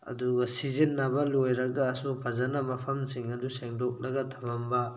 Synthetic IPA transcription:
ɐ̰duɡɐsizinːɐbɐlojɾɐɡɐːsupʰɐzanɐmɐpʰɐmsiŋɐduseŋdok̚lɐɡɐtʰɐbɐmbɐ

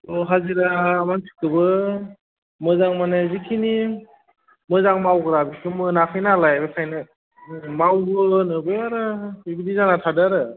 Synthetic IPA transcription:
oɦaziɾaːmansʰi̥kɯbɯ | mɯzaŋmanazikʰini | mɯzaŋmawɡɯɾabikʰɯmɯnakʰɯjnalajbɯkʰajnɯ | mawɡɯnɯbeaɾɯibidizanatʰadaɾɯ

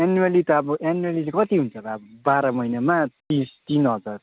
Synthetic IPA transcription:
anualit̪ʌʌbʌanualilekʌt̪iɦunt͡sʰʌt̪ʌːbʌbaɾʌmʌjnamat̪ist̪inʌd͡zar

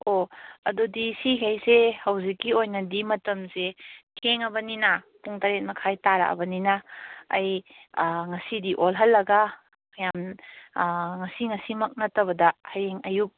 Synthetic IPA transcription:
oɐdodisiɦajsehɐwzikːiojnɐdimɐtɐmsetʰeŋɐbɐnina | puŋtaɾet̚mɐkʰajtaɾa̰ɐ̰bɐninaːj | ŋɐsidiʔolɦɐlːɐɡa | jam | ŋɐsiŋɐsimɐk̚nɐtɐβɐdɐhɐjeŋɐjup̚

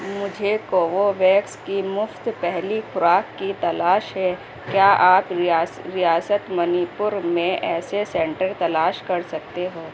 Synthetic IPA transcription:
mʊd͡ʒʱekoːʋoʋɛːkskimʊft̪pɛɦlixʊɾaːkːit̪ɐlaːʃɦɛ | kjaːʔaːpaɾijaːsət̪mɐnipʊɾmẽʔɛːsesɛ̃ːɳʈəɾt̪ɐlaːʃkɐɾsɐk̚t̪eɦoː

